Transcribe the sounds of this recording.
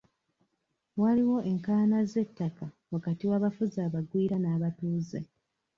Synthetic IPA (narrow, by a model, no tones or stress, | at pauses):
waliwo̞ʔe̞ŋkaːnaze̞tːaka | wakatiwaːβafuzaːβaɡwiːɾanaːβatuːze